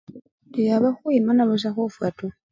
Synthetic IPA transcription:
dijaβaxwimanaluʃ̬axofwatu

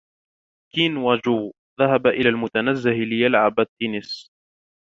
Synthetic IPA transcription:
kiːnwad͡ʒu | ðaɦabaʔɪlaːlmʊt̪anazːɪhlɪjalʕabat̪ːiːnɪs

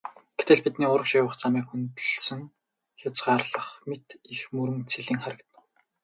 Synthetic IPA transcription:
ɡ̥e̥t̪ĕɮpit̪niːʊɾə̆kʃiːwə̆χt͡samiːkxunt̪ɵ̆ɮsɵ̆ŋ | xʲat͡sɢaːrɮə̆χmet̪ixmɵɾɵ̆ŋt͡sʰiɮĭːŋχæɾə̆kt̪nə̆w

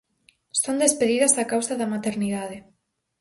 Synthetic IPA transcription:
st̪ond̪espeðiðɐzakawsɐðɐmat̪eɾniðaðe

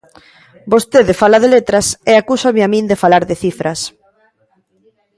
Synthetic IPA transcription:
bost̪eðɪfalɐðelet̪ɾɐseakusamɪamĩnd̪efalaɾðɪθifɾʔɐs

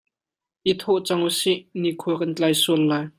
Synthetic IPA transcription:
ʔit̪ʰɔʔt͡sɐŋusiʔnikʰuɐkɐnt͡ɬajsuəlːaːj

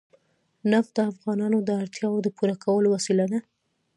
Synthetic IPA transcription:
nafd̪əafɣɑnɑnod̪əaɽt̪jɑwod̪əpuɾakʰawəlowasilad̪a

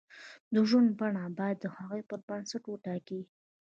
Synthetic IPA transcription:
d̪əʒunbaɳabɑjad̪ːəxɑɣojpəɾbənsaʈwəʈɑki

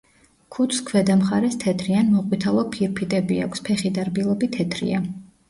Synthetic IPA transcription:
kʰut̪ʰskʰwɛd̪amχaɾɛst̪ʰɛt̪ʰɾianmɔqʼwit̪ʰalˠɔpʰiɾpʰit̪ʼɛbia̰kʷʰspʰɛχid̪aɾbilˠɔbit̪ʰːɛt̪ʰɾḭa

